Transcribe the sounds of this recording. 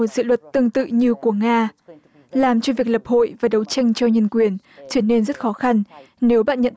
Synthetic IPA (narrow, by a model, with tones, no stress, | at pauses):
o˨˩t̚z̥ɨ̰˧˨lwə˨˩t̚t̪ɨ˧əŋt̪ɨ̰˧˨ɲɨ˧ku˧˩əŋaː˧ | laː˨˩mt͡ɕɔ˧vi˨˩ək̚lə˨˩p̚ho̰˧˨jvaː˨˩ɗə˨˦wt͡ɕa˧jŋ̟t͡ɕɔ˧wɲə˧nkwi˨˩ən | t͡ɕɨ˧˩ne˧nzt̚xɔ˨˦xa˧nne˨˦wɓa̰ː˧˨nɲə̰˧˨n